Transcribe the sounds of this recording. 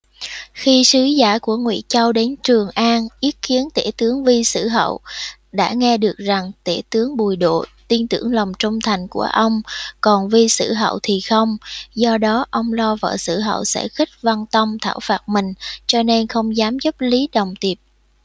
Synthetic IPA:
xi˧sɨ˨˦zaː˧˩ku˧˩əŋwḭ˧˥t͡ɕa˧wɗe˨˦nt͡ɕɨ˨˩əŋʔaː˧nʔi˨˦ət̚ki˨˦ənt̪e˧˩t̪ɨ˨˦əŋvi˧sɨ̰˧˩ɦə̰˧˨wɗa̰ː˧˥ŋɛ˧ɗɨ˨˩ək̚za˨˩ŋt̪e˧˩t̪ɨ˨˦əŋɓu˨˩jɗo̰˧˨t̪i˧nt̪ɨ̰˧˩əŋlə˨˩wŋ͡mt͡ɕʊ˧ŋ͡mt̪ʰa˨˩jŋ̟ku˧˩əʔə˧wŋ͡mkɔ˨˩nvi˧sɨ̰˧˩ɦə̰˧˨wt̪ʰi˨˩xə˧wŋ͡mzɔ˧ɗɔ˨˦ʔə˧wŋ͡mlɔ˧və̰ː˧˨sɨ̰˧˩ɦə̰˧˨wsɛ̰˧˥xi˦˥k̚va˧nt̪ə˧wŋ͡mt̪ʰa̰ː˧˩wfaː˨˩t̚mï˨˩ŋ̟t͡ɕɔ˧ne˧nxə˧wŋ͡mzaː˨˦mzə˦˥p̚li˨˦ɗə˨˩wŋ͡mt̪i˨˩əp̚

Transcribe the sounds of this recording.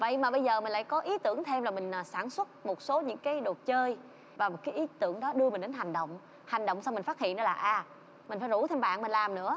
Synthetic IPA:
və̰˧˨jmaː˨˩ɓə˧jzəː˨˩mï˨˩ŋ̟laː˧˨jkɔ˨˦ʔi˨˦t̪ɨ˧˩əŋt̪ʰe˧mlaː˨˩mï˨˩ŋ̟ː˨˩saː˧˩nswə˦˥t̚mo˨˩t̚so˨˦ɲɨ̰˧˥ŋkaː˨˦jɗo˨˩t̚t͡ɕəː˧j | vaː˨˩mo˨˩t̚kaː˨˦jʔi˨˦t̪ɨ˧˩əŋɗɔ˨˦ɗɨ˧əmi̟˨˩ɗe˨˦nɦa˨˩ŋ̟ɗə̰˧˨wŋ͡m | ha˨˩jŋ̟ɗo̰˧˨ŋ͡msa˧wŋ͡mi˨˩ŋ̟faː˦˥t̚hḭ˧˨ənɔ˨˦laː˨˩ʔaː˧˩ | mï˨˩ŋ̟faː˧˦jzu˧˩t̪ʰe˧mɓa̰ː˧˨nmï˨˩n̟laː˨˩mnɨ̰˧˥ə

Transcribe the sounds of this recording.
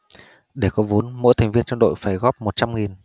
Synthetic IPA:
ɗe˧˩kɔ˨˦vu˨˦nmo̰˧˥jt̪ʰa˨˩ŋ̟vi˧ənt͡ɕɔ˧ŋ͡mɗo̰˧˨jfaː˧˩jɣɔː˦˥p̚mo˨˩t̚t͡ɕa˧mŋi˨˩n

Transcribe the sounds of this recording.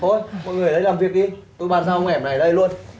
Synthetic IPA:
o˧˩jmɔ̰˧˨jŋɨ˨˩əjlə˨˦laː˨˩mvi˨˩ək̚ɗi˧t̪o˧jɓaː˨˩nsaː˧hə˧wŋʔɛ˧˩p̚na˨˩jɗə˧jlu˧ən

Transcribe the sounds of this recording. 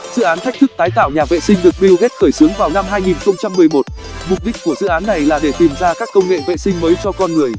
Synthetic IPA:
zɨ̰˧˨ʔaː˨˦nt̪ʰk̚t̪ʰɨ˦˥k̚t̪aː˨˦jt̪a̰ː˧˨wɲaː˨˩vḛ˧˨sï˧ŋ̟ɗɨ˨˩ək̚ɓi˧wɣe˦˥t̚xəː˧˩jsɨ˨˦ŋvaː˨˩wna˧mɦaː˧jŋi˨˩nxə˧wŋ͡mt͡ɕa˧mːɨ˨˩əjmo˨˩t̚ | mʊ˨˩k͡p̚ɗi˦˥k̟̚ku˧˩əzɨ̰˧˨ʔaː˨˦nːa˨˩jlaː˨˩ɗe˧˩t̪i˨˩mzaː˧kaː˦˥kːə˧wŋ͡mŋḛ˧˨vḛ˧˨sï˧ŋ̟məː˨˦jt͡ɕɔ˧kɔ˧nŋɨ˨˩əj

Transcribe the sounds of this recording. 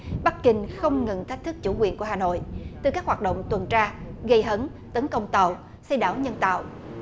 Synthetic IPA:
ɓa˦˥k̚kï˧ŋ̟xə˧wŋ͡mŋɨ˨˩ŋt̪ʰa˦˥k̟̚t̪ɨ˦˥k̚t͡ɕu˧˩kwḭ˨ənku˧˩əɦaː˨˩no̰˧˨jt̪ɨ˨˧˩kaː˦˥k̚waː˨˩t̚ɗo̰˧˨wŋ͡mt̪wə˨˩nt͡ɕaː˧ɣə˧jɦə˨˦n | t̪ə˨˦nkə˧wŋ͡mt̪ə˨w | sə˧jɗaː˧˩˨wɲə˧nt̪a̰ː˧˨wʔ

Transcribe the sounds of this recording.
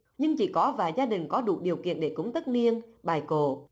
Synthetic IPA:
ɲɨ˧ŋt͡ɕḭ˧˩kɔ˨˦vaː˨˩jzaː˧ɗï˨˩ŋ̟kɔ˨˦ɗṵ˧˩ɗi˨˩əwkḭ˧˨ənɗe˧˩kʊ˨˦ŋ͡mt̪ə˦˥t̚ni˧ənɓaː˨˩jko̰˧˩˨

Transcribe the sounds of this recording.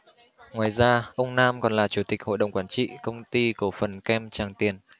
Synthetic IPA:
ŋwaː˨˩jzaː˧ʔə˧wŋ͡mnaː˧mkɔ˨˩nlaː˨˩t͡ɕu˧˩t̪i˨˩k̚ho̰˧˨ɗə˨wŋ͡mkwaː˧˥nt͡ɕḭ˧˨kə˧wŋ͡mt̪i˧ko˧˩fə˨˩nkɛ˧mt͡ɕaː˨˩ŋt̪i˨˩ən

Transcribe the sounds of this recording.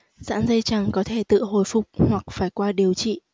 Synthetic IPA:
za̰ː˧˥nzə˧jt͡ɕaː˨˩ŋkɔ˨˦t̪ʰe˧˩t̪ɨ̰˧˨ɦo̰˧˩jfʊ˨˩k͡p̚hwa˨˩k̚faː˧˩jkwaː˧ɗi˨˩əwt͡ɕḭ˧˨

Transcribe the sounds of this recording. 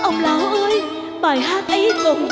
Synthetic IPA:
ʔə˧wŋ͡mlaː˨˦wʔəː˧j | ɓaː˨˩jɦaː˦˥t̚ʔi˨˦t̪ʊ˨˩ŋ͡m

